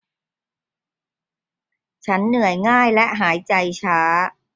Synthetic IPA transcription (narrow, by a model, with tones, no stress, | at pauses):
t͡ɕʰa˦˥nːɯ˨˩˦əjŋaː˥˩jlɛ˦˥ʔɦaː˩˦jt͡ɕa˧jt͡ɕʰaː˦˥